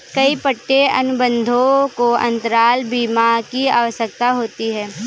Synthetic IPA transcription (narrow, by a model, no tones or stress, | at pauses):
kɐipəʈːeɐ̰nʊbə̃nd̪ʱõkoɐ̰̃nt̪əɾaːlbiːmakia̰ːʋəsək̚t̪aɦoːt̪iɦɛː